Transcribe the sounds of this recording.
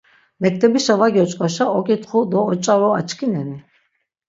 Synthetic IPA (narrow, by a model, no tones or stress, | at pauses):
mɛk̚ʰt̪ʰʼɛbiʃavaɡiɔt͡ʃʼqʼaʃaʔɔkʼit̪χud̪ɔːt͡ʃʼaɾɔa̰t͡ʃʰkʰinɛni